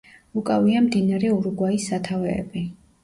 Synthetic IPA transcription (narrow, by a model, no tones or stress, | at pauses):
ukʼaviamd̪inaɾɛuɾɡwaisːat̪ʰavɛ̰ːbi